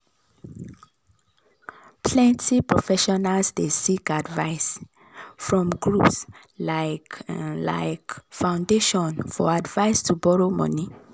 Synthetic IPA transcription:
pʰlɛ̃ntipɹofɛʃɔnalsdesikadvaɪs | fɹɔ̃mɡɹups | laɪkla̰ɪkfãʊ̃ndeʃɔ̃nfɔ̰advaɪstʰubɔɹomɔ̰̃ni

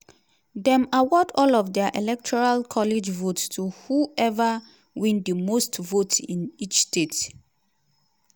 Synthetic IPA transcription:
dɛ̃mawɔdɔlɔfdɛaʔɛlɛk̚tʰɔɹalkʰɔlid͡ʒvotstʰuhuɛva | wĩndəmostvotĩnit͡ʃstet

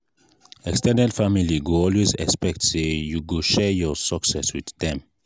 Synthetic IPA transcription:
ɛkstɛnɛdfamiliɡuɔlwezɛ̰kspɛk̚tsejuɡuʃɛjɔsəksɛswiddɛ̃m

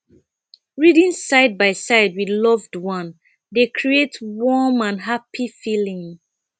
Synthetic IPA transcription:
ɹidĩnsaɪd̚baɪsaɪd̚widlɔvdwʌ̃n | dekʰɹietwɔmãnɦapifilĩŋ

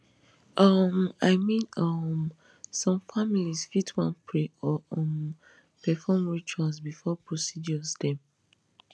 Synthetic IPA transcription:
ʔɔmaɪmĩnɔm | sɔ̃mfamilisfitʰwãnpʰɹeɔɔm | pɛfɔmɹitwasbifɔpɹosid͡ʒɔzdɛ̃m

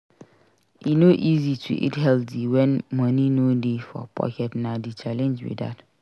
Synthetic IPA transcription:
inoʔizitʰṵʔḛtɦɛltiwɛ̃nmɔ̃nĩnodefɔ̰pʰɔ̰kʰɛtnãdit͡ʃʰalɛ̃nd͡ʒwḭda̰t

